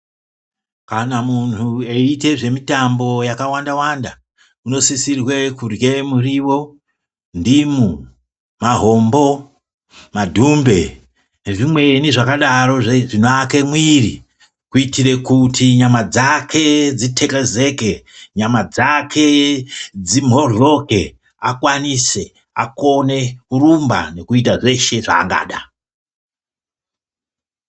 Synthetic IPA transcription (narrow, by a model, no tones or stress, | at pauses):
kanamuntue̞ite̞ʐe̞mitambo̞jakawandawanda | uno̞sisirwe̞kurje̞muriwo̞ | ndimu | maɦo̞mbo̞ | madʱumbe̞ | neʐimwe̞niʐakaɗaɾo̞ʐeʐinoake̞mwirḭ | kuitiɾe̞kutʰiɲamad͡zakʰe̞d͡zitʰe̞keze̞ke̞ɲamad͡zakʰe̞d͡zim̤ɦoɮo̞ke̞ | akwanise̞ | a̰ko̞ne̞kuɾumba̰ne̞kuitaʐe̞ʃe̞ʐa̰ːŋɡa̰ːɗa